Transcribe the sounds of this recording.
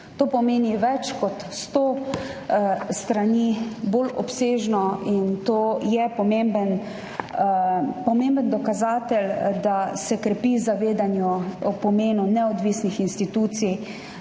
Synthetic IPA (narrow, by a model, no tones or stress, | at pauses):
t̪oːpɔmeːniʋɛt͡ʃkɔt̪st̪oː | st̪ɾaniboːlɔpseːʒnɔint̪oːjɛpɔmembən | pɔmembənd̪ɔkazaːt̪ɛld̪asɛkɾɛpiːzaʋeːd̪anjuɔpɔmeːnunɛɔd̪ʋisnixinst̪it̪uːt̪sij